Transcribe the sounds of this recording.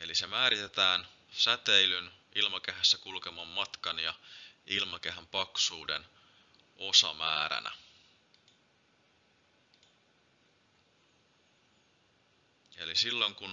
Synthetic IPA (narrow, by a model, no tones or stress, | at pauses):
e̞lise̞mæːɾit̪e̞t̪æːn | sæt̪eilyn | ilmɑkeɦæsːækulke̞mɑmːɑt̪kɑnjɑilmɑk̟eɦæmpɑksuːde̞̰n | o̞sɑ̰mæːɾæ̰næ̰ | e̞lisilːo̞ŋkun